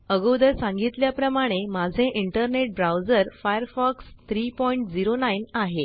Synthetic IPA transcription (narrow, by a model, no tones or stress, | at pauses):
əɡəwd̪əɾsãŋɡit̪ljapɾəmaɽ̃emad͡zʱẽʔiɳʈəɾneʈ̚bɾawd͡zəɾfajəɾfɔkst̪ʰɾiːpɔiɳʈd͡ziɾonainaɦe